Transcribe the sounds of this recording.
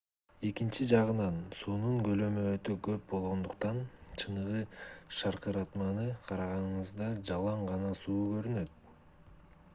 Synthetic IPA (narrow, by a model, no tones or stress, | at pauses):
e̞kint͡ʃid͡ʒɑʁɯnɑnsuːnuɴɡø̞lø̞møøt̪øɡøp̚bo̞lˠʁo̞nd̪uqt̪ɑnt͡ʃʰɯnɯʁɯʃɑɾqɯɾɑt̪mɑnɯqʰɑɾɑʁɑnɯɴɯzd̪ɑd͡ʒɑlˠɑɴʁɑnɑsuːɡø̞ɾynø̞t̪̚